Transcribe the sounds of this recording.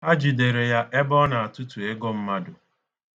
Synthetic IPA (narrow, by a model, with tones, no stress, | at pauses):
a˦d͡ʒi˨de˨ɾe˨ja˦ʔe˦bɔ˦na˨a˨tʊ˦tu˨e˦ɡo˦m̩˦ma˦dʊ˨